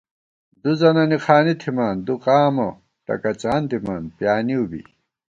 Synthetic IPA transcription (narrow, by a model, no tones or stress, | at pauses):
d̪uzɐnɐnixaːnit̪ʰimaːnd̪uqaːmɐ̰ | ʈɐ̰kɐt͡ɕaːnd̪imaːnpjaːniubḭ